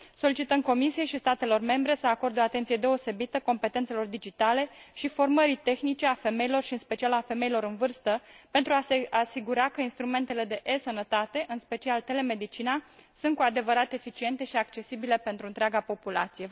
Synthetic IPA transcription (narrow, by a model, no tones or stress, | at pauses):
so̞lit͡ʃit̪əmko̞misijejʃist̪at̪e̞lo̞rme̞mbɾe̞səako̞rd̪oat̪e̞nt̪sijed̪e̞o̞se̞bit̪əko̞mpe̞t̪ent̪se̞lo̞rd̪id͡ʒit̪ale̞ʃifo̞rməɾit̪e̞xnit͡ʃe̞afe̞me̞ilo̞rʃiɨnspe̞t͡ʃialafe̞me̞ilo̞ɾɨnvɨrst̪əpe̞nt̪ɾuaeasiɡuɾakəinst̪ɾume̞nt̪e̞le̞d̪e̞ʔesənət̪at̪e̞ʔɨnspe̞t͡ʃialt̪e̞le̞me̞d̪it͡ʃinasunt̪̚kuad̪e̞vəɾat̪e̞fit͡ʃie̞nt̪e̞ʃiakt͡ʃe̞sibile̞pe̞nt̪ɾuɨnt̪ɾeaɡapo̞pula̰t̪sije̞